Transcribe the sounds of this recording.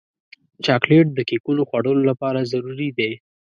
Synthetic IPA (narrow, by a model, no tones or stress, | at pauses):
t͡ʃɑkleʈ̚d̪əkekuloxwaɽəlolapɑɾazaɾuɾid̪e